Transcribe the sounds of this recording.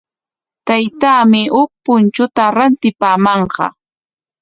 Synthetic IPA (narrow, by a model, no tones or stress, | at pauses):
t̪ajt̪aːmɪhʊk̚pʊnt͡ʃʊt̪aɾant̪ɪpaːmɑɴɢɑ̰